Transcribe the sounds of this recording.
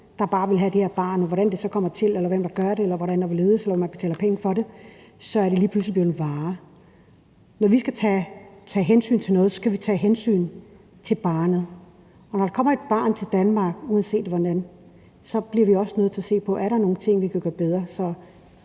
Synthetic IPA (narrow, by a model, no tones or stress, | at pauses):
d̥ɑ̈b̥ɑ̈ːʋe̝lɦæd̥iheɐb̥ɑ̈ːn̩ˠʋɒɾænd̥e̝sɒ̽kʰɒ̽m̰ɐt͡sʰe̝lelɐʋem̰d̥ɑ̈ɡ̥ɶɐɾe̝elɐʋɒɾænd̥ɑ̈ʋele̝ːð̞̩ˠselɐʋemænb̥e̥t͡sʰɛ̰ːlɐpʰeŋəfɒ̽ɾe̝ | sɒ̽æɐɾe̝liːpʰluslib̥li̥eʋɑ̈ː | nɒʋisɡ̥æt͡sʰɛt͡sʰɛːɦensy̰ːnt͡sʰe̝nɔ̽ːð̞̩ˠsɒ̽sɡ̥æʋit͡sʰɛ̰ːɦensy̰ːn | t͡sʰe̝lb̥ɑ̈ːnð̩ˠ | ɒnɒɾ̥ɑ̈kʰɒ̽m̰ɐe̝d̥̚b̥ɑ̰̈ːnt͡sʰe̝ld̥ænmɑ̈ːɡ̥uːðˠənse̝̰ːd̥ʋɒnæn | sɒ̽b̥liɐʋiɒ̽sənøð̩ˠt͡sʰe̝ɐse̝̰ːpʰɒ̽ʔæɐɾɑno̝ːnt͡sʰe̝ŋ̰ʋikʰæɡ̥ɶːɐb̥eð̞ˠʁɐsɒ̽